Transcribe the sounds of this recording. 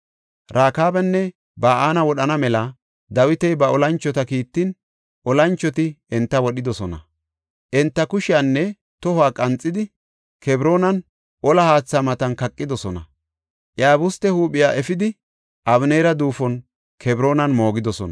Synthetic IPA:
ɾʔaːkaːbɛnːɛ | baːaːnɐwɔɗɐnɐmɛlɐ | d̪ɐwɪt̪ɛjbɐɔlɐnt͡ʃːɔt̪ɐkiːt̪ːɪn | ʔɔlɐnt͡ʃːɔt̪ɪɛnt̪ːɐwɔɗɪd̪ɔsɔnɐ | ʔɛnt̪ːɐkʊʃɪjanːɛ | t̪ɔhʊaːkʼɐnt͡sʼːɪd̪ɪ | kʰɛbɾo̞ːnɐn | ʔɔlɐhaːt͡sːɐmɐt̪ɐnkɐkʼːɪd̪ɔsɔnɐ̰ | ʔjaːbʊst̪ːɛhuːɓɪjaːʔɛfɪd̪ɪ | ʔɐβneːɾɐd̪uːfɔn | kʰɛbɾo̞ːnɐnmo̞ːɡɪd̪ɔsɔ̰nɐ

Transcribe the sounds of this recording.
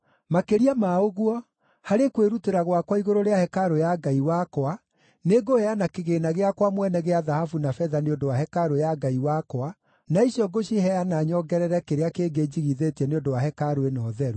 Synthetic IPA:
makeɾiamaoɣwɔ | haɾekweɾuteɾaɣwakwaiɣoɾoɾeahɛkaɾojaɡaiwakɔa | neɡohɛanakeɣeːnaɣeakwamwɛnɛɣeaðahafunafɛðaneodowaɦɛkaɾojaɡaiwakɔwa | naiɕiɔɡoɕihɛjanaɲɔɡɛɾɛɾɛkeɾeakeːɡed͡ʑiɣiðetiɛneondowahɛkaɾoenɔːðɛɾu

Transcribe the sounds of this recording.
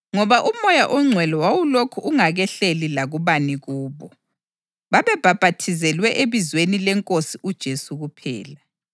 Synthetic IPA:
ŋɔβaʔumɔjaʔɔŋ͡ǀʱwɛlɔwawulokʰuʔuŋaɣɛɬelilaɣuβaniɣuːβɔ | βaβɛb̥ʱab̥ʱatʰizɛlwɛʔeβizwenilɛŋkʼosiʔud̥ʒ̥ʱesuɣupʰɛ̰ːla

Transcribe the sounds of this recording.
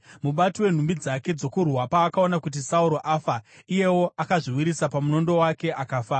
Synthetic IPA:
muɓatiwe̞n̤umbid͡zake̞d͡zo̞kurwapaːkao̞nakut̬isauɾo̞ʔafaije̞wo̞ʔakaʐiwiɾisapamuno̞ndo̞wake̞ʔakaːfaː

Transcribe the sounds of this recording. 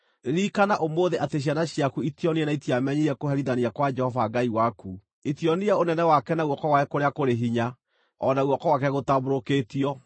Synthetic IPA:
eɾikanaʔomoðeʔateɕ̬anaɕjakuitjɔniɛnaitiamɛɲiɛkoɦɛɾiðaniakwad͡ʒɛhɔvaɡaiwaku | itiɔniɛonɛnɛwakɛnauwɔkɔwaɛkoɾeakoɾeɦiɲa | ɔnauɔkɔwakɛɣotaboɾoketiɔ

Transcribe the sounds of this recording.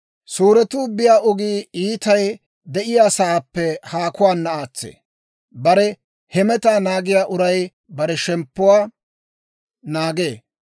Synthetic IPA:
suːɾɛt̪uːbːɪjaːʔɔɡiːiːt̪ɐj | d̪ɛʔɪjaːsɐːpːɛhaːkʊwaːnːɐaːt͡sːḛː | bɐɾɛ | hɛmɛt̪aːnaːɡɪjaːʔʊɾɐj | bɐɾɛʃɛmpːʊwaː | naːɡe̞ː

